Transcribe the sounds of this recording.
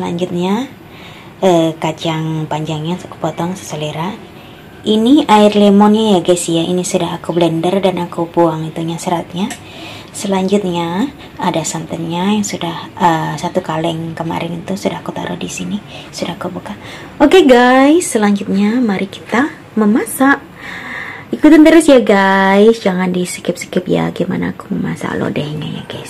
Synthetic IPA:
səla̰ɲd͡ʒut̪̚ɲa | əkad͡ʒaŋpaɲd͡ʒaŋɲasḁku̥pɔt̪ɔŋsə̥səleɾa | ʔiniʔaɪrlemɔnɲajaɡajsjaʔinisudaɦakublɛndərdanakubuaŋit̪uɲasəɾat̪̚ɲa | səlaɲd͡ʒut̪̚ɲa | adasant̪ənɲajaŋsudahəsat̪ukalɛŋkəma̰ɾɪnit̪usudahakut̪a̰ɾʔuhdisinisudahkubuka | okeɡajsːəlaɲd͡ʒut̪̚ɲamaɾiki̥t̪a | məmasaʔ | ikut̪ant̪əɾʊsjaɡajsd͡ʒaŋandisi̥kɪp̚si̥kəp̚ja̰ɡema̰na̰ːku̥məma̰sa̰lo̰dɛhɲa̰ja̰ɡajs

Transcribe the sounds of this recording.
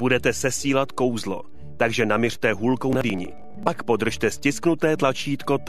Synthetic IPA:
b̥udɛt̪ɛsɛsiːlat̪ko̞wzlo̞̰ | t̪aɡʒɛnamɪr̥t̪ɛɦuːlkownadiːɲɪ̰ | pakpo̞d̪r̩ʃt̪ɛscɪsknut̪ɛːt̪lat͡ʃiːt̪ko̞t̪

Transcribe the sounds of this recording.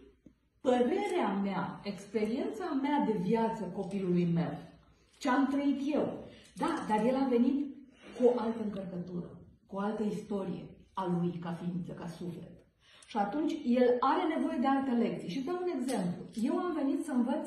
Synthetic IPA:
pəɾe̞ɾeamea̰e̞kspe̞ɾie̞nt̪samead̪e̞vjat̪səko̞pilulujme̞̰w | t͡ʃeamt̪ɾəit̪je̞wd̪ad̪arje̞lave̞nit̪koʔalt̪əɨŋkərkət̪uɾə̰koalt̪əist̪o̞ɾḭje̞̰alujkafint̪səkasufle̞̰t̪ | ʃiat̪unt͡ʃʲje̞laɾe̞ne̞vo̞je̞d̪ealt̪ele̞k̚t̪sieʃisd̪aune̞ɡze̞mplṵje̞wamve̞nit̪səɨmvət̪s

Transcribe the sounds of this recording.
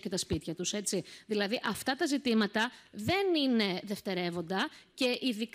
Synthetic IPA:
ket̪ɐspit̪çɐt̪use̞tt͡siðilɐðiʔɐft̪ɐt̪ɐzit̪imɐt̪ɐðe̞nine̞ðe̞ft̪e̞ɾe̞vo̞nd̪ɐce̞ʔiðik

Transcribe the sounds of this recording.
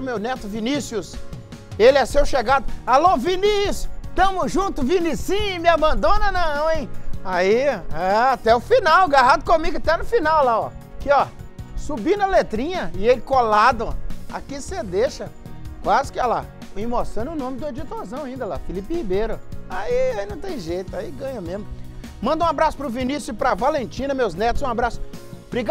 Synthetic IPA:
omewnet̪ʊvinisjʊs | elɪɛsewʃeɡad̪ʊalõvinisjʊt̪ɐ̃mʊʒũt̪ʊvinisĩmɪabɐ̃nd̪õnɐnɐ̃w̃ẽj̃aiaat̪ɛʊfinawɡaɦad̪ʊkõmiɡʊat̪ɛnʊfinawlaɔ̰kɪɔsubĩnɐlet̪ɾĩɲɐɪelɪkolad̪ɐ̃a̰kised̪eʃɐ | kwazɪkɪala̰ | ĩmosɐ̃nʊnõmɪd̪ʊed͡ʒit̪ozɐ̃w̃ãĩnd̪ɐla̰filiphibejɾʊaiaĩnɐ̃w̃t̪ẽj̃ʒejt̪ʊaiɡɐ̃ɲɐmẽzmʊ | mɐ̃nd̪ɐũabɾasʊpɾʊvinisjʊpɾɐvalẽnt͡ʃĩnɐmewznɛt̪ʊzũabɾasʊ̥b̥ɾiɡa

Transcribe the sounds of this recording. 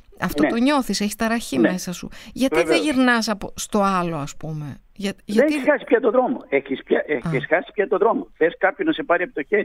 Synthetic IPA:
ɐ̰ft̪o̞t̪o̞ɲo̞θiseçi̥st̪ɐɾɐçimesɐsṵʝɐt̪iðeʝiɾnɐs̬ɐpost̪o̞ɐlo̞ɐspume̞ʝɐʝɐeneçizɣɐsi̥pçɐt̪oðɾo̞moeçispçaʔeisɣɐsi̥pçɐt̪oðɾo̞moθeskɐpçoznɐse̞pɐɾiɐpo̥t̪oçeɾi

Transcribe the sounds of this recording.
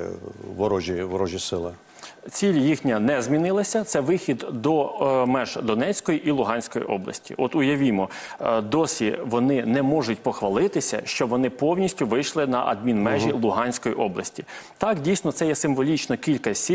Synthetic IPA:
ʋɔɾɔʒʲiʋɔɾɔʒʲisɪlˠɪ | t͡sʲilʲjixnʲɐnɛzʲmʲinɪlˠɐsʲɐt̪sɛʋɪxʲid̪d̪ɔmɛʒd̪ɔnɛt͡sʲkɔjiʔilˠʊɦɑnʲsʲkɔjḭʔɔ̰blˠɐ̰sʲtʲḭʔɔt̪ʊjɐʋʲimɔ | d̪ɔsʲiʋɔnɪnɛmɔʒʊtʲpɔxʋɐlˠɪt̪ɪsʲɐ̰ʃt͡ʃɔʋɔnɪpɔwnʲisʲtʲʊʋɪjʃlˠɪnɐʔɐ̰d̪̚mʲinmɛʒilˠʊɦɑnʲsʲkɔjiʔɔblˠɐsʲtʲit̪ɑkdʲijsnɔt̪sɛjɛsɪmʋɔlʲit͡ʃnɔkʲilʲkɐsʲi

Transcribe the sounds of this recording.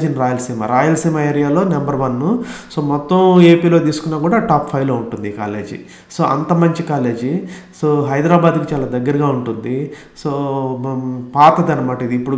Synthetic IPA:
d͡ʒinɾaːjɐlɐsiːmɐ̰ɾaːjɐlsiːmɐeːɾijaːlo̞ːnɐmbɐɾʋɐnːuso̞ːmɔt̪ːɐme̞ːpiːlo̞ːt̪̬iːsu̥kunːaːkuːɽaːʈaːppʰɐjʋlo̞ːuɳʈund̪ika̰ːle̞̰ːd͡ʒḭ | so̞ːʔɐ̰nt̪ɐmɐɲt͡ʃikaːle̞ːd͡ʒisoːɦɐjd̪ɾaːbaːd̪kit͡ʃaːlaːd̪ɐɡːɐɾɡaːuɳʈund̪i | soː | paːt̪ɐd̪ɐnːɐmaːʈɐid̪ipːuɽ

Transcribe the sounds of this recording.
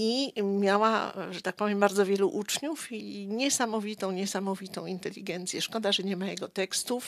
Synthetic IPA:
imʲjawa̰ʐɛt̪ak̚pɔvʲjɛmbaɾd̪zɔvʲjɛluʔut͡ʂɲufiɲɛsamɔvʲit̪ɔ̃w̃ɲɛsamɔvʲit̪ɔ̃w̃int̪ɛlʲːiɡɛnt̪sʲjɛʂkɔd̪aʐɛɲɛmajɛɡɔt̪ɛkst̪uf

